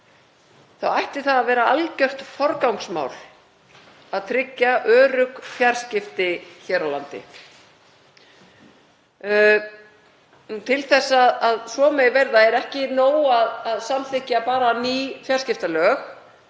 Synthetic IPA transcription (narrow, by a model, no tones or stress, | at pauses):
θawajht̪ɪ̥θaðavɛːɾaalcœht̪fɔɾkawŋksma̰ːwl̥ | aðt̪ʰɾɪcːaʔœːɾʏkfjar̥scɪft̪ɪçɛːɾawlant̪ɪ̰ | t̪ʰɪlθɛsːaðaðsɔːmejvɛɾðaɛɾɛhcɪnoːwaðaðsamθɪhcːapaːɾaniːfjar̥scɪft̪alœːx